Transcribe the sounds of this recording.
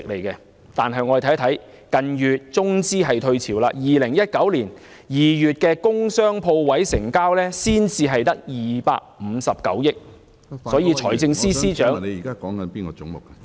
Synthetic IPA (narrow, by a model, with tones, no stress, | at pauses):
ɪ˨k̚le˨˩jkɛ˧ | t̪aː˨nɦɐ˨jŋɔ˨˧˨t̪ʰt̪ʰɐ˨˥j | kɐ˨njyː˨t̚t͡sʊ˥ŋt͡siː˥ɦɐ˨jt̪ʰɵ˧ɥt͡sʰiː˨˩wlaː˧jiː˨lɪ˨˩ŋjɐ˥t̚kɐ˨˥wliː˨˩n | jiː˨˩jyː˨t̚kɛː˧kʊ˥ŋsœː˥ŋpʰo˧wwɐ˨˥jsɪ˨˩ŋkaː˥wlɛː˥siː˥nt͡siː˧ɦɐ˨jt̪ɐ˥k̚jiː˨˩pa̰ː˧k̚m̩ː˨˧sɐ˨p̚kɐ̰˨˥wjɪ˥k̚ | sɔː˨˥jiː˨˧t͡ʃʰɔː˨˩jt͡sɪ˧ŋsiː˥siː˥t͡ʃœː˨˥ŋe˨˧jiː˨˩kaː˦˥kɔː˨˥ŋkɐ˨˦npiː˥nkɔː˧t͡sʊ˨˥ŋmʊ˨k̚ɐ̥˧